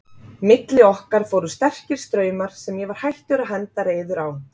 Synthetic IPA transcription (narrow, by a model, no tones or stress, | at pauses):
mɪt̪lɪɔhkaɾ̥fowɾʏst̪ɛr̥cɪɾ̥st̪ɾœːɥmaɾ̥sɛmjɛvaɾ̥hajht̪ʏɾaɦɛnt̪aɾeːjðʏɾaw